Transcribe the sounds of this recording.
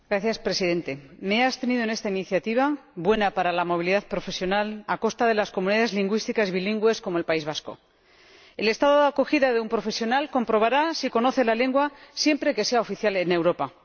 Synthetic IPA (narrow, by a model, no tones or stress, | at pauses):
ɡ̥ɾaθjaspɾe̞siðe̞nt̪e̞me̞ast̪e̞niðoene̞st̪ainiθjat̪iβ̞abwe̞napaɾalamo̞β̞iliðaðpɾo̞fe̞sjo̞nalako̞st̪aðe̞lasko̞mũniðaðe̞zliŋɡwist̪ikazβiliŋɡwe̞sko̞moe̞lpaizβasko̞̰ | e̞le̞st̪aðo̞ðako̞xiðaðe̞umpɾo̞fe̞sjo̞nalko̞mpɾo̞β̞aɾasiko̞no̞θe̞lale̞ŋɡwasje̞mpɾe̞ke̞se̞ao̞fiθjale̞ne̞wɾo̞pa